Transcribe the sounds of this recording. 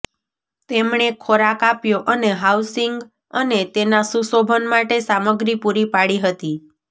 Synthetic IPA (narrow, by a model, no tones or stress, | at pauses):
t̪emɳekʰoɾakapjoʔəneɦawsiŋɡ | ənet̪enasusobʱənmaʈesaməɡɾipuɾipaɽiɦət̪i